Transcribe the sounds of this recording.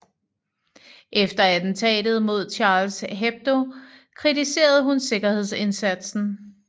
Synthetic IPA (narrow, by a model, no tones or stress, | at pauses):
ʔefd̥ɐæd̥n̩t͡sʰɛ̰ːd̥ð̞̩ˠmo̝ð̞̰ˠt͡ɕʰɑ̈ːlsɦeb̥̚d̥o̝kʰʁit͡sise̝̰ːɐð̞̩ˠɦunse̝ɡ̥ɐhe̝ð̞ˠse̝nsæd̥sn̩